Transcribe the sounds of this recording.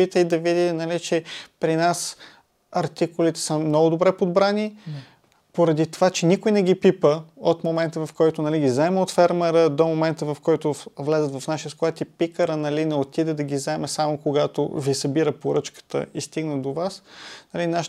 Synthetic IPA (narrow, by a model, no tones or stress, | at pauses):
it̪əid̪ɐvid̪ʲit̪ɛnɐlit͡ʃɛpɾinas | ɐɾt̪ikʊlit̪ɛ̥səmnɔɡʊd̪obɾɛpod̪bɾani | poɾɐd̪it̪ovat͡ʃɛnikʊjnɛɡ̟ipipəot̪momɛnt̪əvɐfkɔjt̪ʊnɐliɡizɛmɛot̪fɛɾmɛɾəd̪omomɛnt̪əvɐfkɔjt̪ʊvlɛzət̪vɐfnaʃij̪əskoat̪ipikəɾənɐlinɛot̪id̪ɛd̪ɐɡʲizɛmɛsamokoɡat̪o̰visɐbiɾəpoɾɤt͡ʃkə̥t̪ə̰ist̪iɡnəd̪ovasnɐlinaʃ